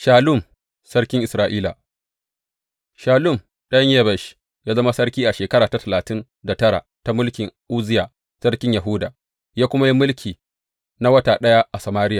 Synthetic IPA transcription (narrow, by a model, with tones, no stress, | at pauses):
ʃaː˨lʊ˦˨m | sɐ˦rkʲɪ˦ŋʔɪ˨sɾaː˨ʔiː˦la̰˨ | ʃaː˨lʊ˦˨m | ɗɐ˦ɲje˦bɛ˨ʃ | jaː˦zɐ˦ma˦sɐ˦ɽkʲiː˦ʔa˨ʃeː˨kɐ˦ɾaː˨ta˦tɐ˨laː˨tɪ˦n | da˨tɐ˦ɽa̰˨ta˦mʊ˦lkʲɪ˨ŋʔuː˦zɪ˦jaː˨ | sɐ˦ɽkʲɪ˦ɲja˨ɦʊ˦daː˨ | jaː˦kʷʊ˦ma˦ji˦mʊ˦lkʲʰiː˨ | na˦wɐ˦taː˨ɗɐ˦ja˦ʔa˨sɐ˨maː˦ɾɪ˦jaː˨